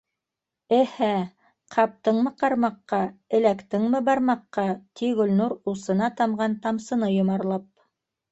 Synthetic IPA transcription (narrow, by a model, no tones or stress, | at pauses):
ɘhæ | qʰɑp̚t̪ɤɴmɤqɑɾmɑqːɑɘ̆lækt̪ɘŋmɘbɑɾmɑqːɑt̪iɡɵ̆lnuɾusɤ̆nɑt̪ɑmʁɑnt̪ɑmsɤ̆nɤjŏmɑɾlˠɑp̚